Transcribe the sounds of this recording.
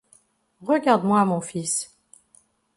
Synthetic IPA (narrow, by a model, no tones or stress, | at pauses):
ʁəɡaʁd̪mwamɔ̃fis